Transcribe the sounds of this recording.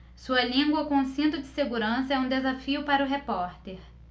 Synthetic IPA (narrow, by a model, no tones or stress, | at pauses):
suɐlĩɡwɐkõũsĩnt̪ʊd͡ʒɪseɡuɾɐ̃sɐɛũd̪ezafiʊpaɾɐʊɦepɔɾt̪eɾ